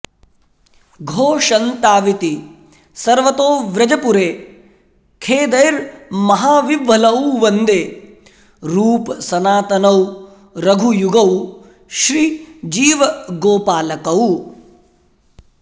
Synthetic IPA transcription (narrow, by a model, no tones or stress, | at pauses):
ɡʱoːʃɐnt̪aːʋit̪i | sɐɾʋɐt̪oːʋɾɐd͡ʒɐpuɾeː | kʰeːd̪ɐjɾmɐɦaːʋiʋːɐlɐwʋɐnd̪eː | ɾuːpsɐnaːt̪ɐnɐw | ɾɐɡʱujuɡɐw | ʃɾid͡ʒiːʋɐɡoːpaːlɐkɐw